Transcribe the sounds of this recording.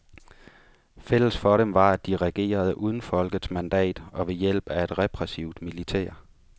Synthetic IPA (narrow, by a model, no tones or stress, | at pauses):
fel̰əsfɒ̽ɾemʋɑ̈æd̥iʁɛɡ̥e̝̰ːɐð̞̩ˠʔuːð̞ˠn̩fɒ̽lɡ̥ð̩ˠsmænd̥ɛ̰ːd̥ɒ̽ʋe̝jel̰b̥æe̝d̥ʁɛpʰʁɛsiʊd̥milit͡sʰɛ̰ːɐ